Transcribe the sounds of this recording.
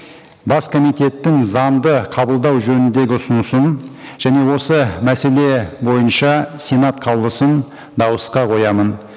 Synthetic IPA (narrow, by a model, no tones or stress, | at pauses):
bɑskʰo̞mijt̪e̞t̪ːɪŋzɑnd̪əqʰɑbəlˠd̪ɑwʒɵnɪnd̪e̞ɡʲɪʊsʊnəsənʒ̥æne̞wo̞səmæse̞le̞bo̞jənʃɑsʲe̞nat̪qʰɑwlˠəsən | d̪ɑwəsqɑqʰo̞jɑmən